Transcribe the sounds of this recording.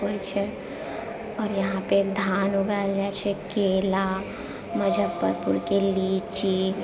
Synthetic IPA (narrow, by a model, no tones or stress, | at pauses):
ɦojt͡ʃʰɛ | ɔːɾjəɦãped̪ʱanuɡald͡ʒat͡ʃʰɛkela | məd͡ʒʱəb̪pəɾpuɾkelit͡ʃi